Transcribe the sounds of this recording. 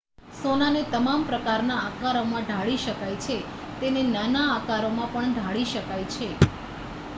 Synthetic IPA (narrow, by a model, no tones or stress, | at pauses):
sonanet̪əmampɾəkaɾnaːkaɾomãɖʱaɭiʃəkajt͡ʃʰe | t̪enenanaːkaɾomãpəɳɖ̪ʱaɭiʃəkajt͡ʃʰe